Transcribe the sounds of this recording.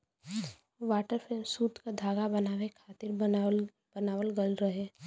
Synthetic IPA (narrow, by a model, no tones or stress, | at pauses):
ʋaːʈəɾpesuːt̪kad̪ʱaːɡabɐnaːʋekʰaːt̪ɪɾ | b̥ɐnaːwəlɡəlɾəɦe